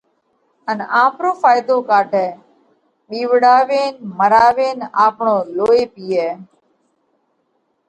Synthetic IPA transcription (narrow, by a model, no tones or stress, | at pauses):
ənãːpɾoːfaːɪd̪oːkaːʈʰɛː | ɓiːʋɽaːʋeːnməɾaːʋeːnaːpɳoːloːeːpiːɛː